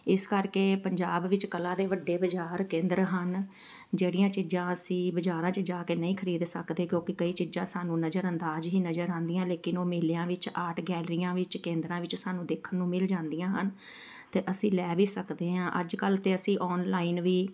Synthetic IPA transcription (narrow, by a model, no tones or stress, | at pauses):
ɪskəɾkeːpəɲd͡ʒaːbʋɪt͡ʃkəlãːd̪eːʋəɖːeːbəd͡ʒaːɾkẽːnd̪əɾɦən | d͡ʒeːɽijãːt͡ʃɪd͡ʒãːəsĩːbəd͡ʒaːɾãːt͡ʃəd͡ʒaːkeːnəĩːkʰəɾiːd̪səkd̪eːkjõːkɪkəiːt͡ʃɪd͡ʒãːsaːnũːnəd͡ʒəɾə̃nd̪aːd͡ʒɦiːnəd͡ʒəɾãːnd̪ijãːleːkɪnoːmeːljãːʋɪt͡ʃaːʈʰɡɛːlɾijãːʋɪt͡ʃkẽːnd̪ɾãːʋɪt͡ʃsaːnũːd̪eːkʰːənːũːmɪld͡ʒãːnd̪ijãːɦən | t̪eːʔəsĩːlɛːʋiːsəkd̪eːɦãːʔəd͡ʒkəlt̪eːəsĩːʔɔːnlaːiːnʋiː